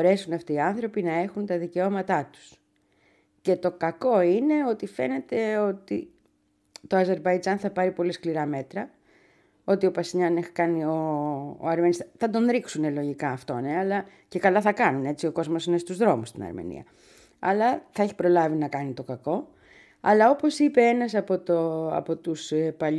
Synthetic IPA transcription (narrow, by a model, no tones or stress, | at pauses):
oɾe̞sunɐft̪iːɐnθɾo̞pinɐe̞xunt̪ɐðice̞o̞mɐt̪ɐt̪u̥s | ce̞t̪o̞kɐko̞ine̞o̞t̪ife̞ne̞t̪e̞o̞t̪i | t̪o̞ɐze̞ɾbɐid͡zɐnθɐpɐɾipo̞liskliɾɐme̞t̪ɾɐ | o̞t̪io̞pɐsiʎɐnekɐnio̞̰ːɐɾme̞nist̪ɐsθɐt̪o̞nɾiksune̞lo̞ʝikɐːft̪o̞neɐlɐ | ce̞kɐlɐθɐkɐnune̞t͡sio̞ko̞zmo̞sinest̪uzðɾo̞must̪inɐ̰ɾmḛnḭɐ̰ | ɐlɐθɐe̞çi̥pɾo̞lɐvinɐkɐnit̪o̞kɐko̞ | ɐlɐo̞po̞sipe̞enɐsɐpo̞t̪oɐ̰po̞t̪uspɐʎ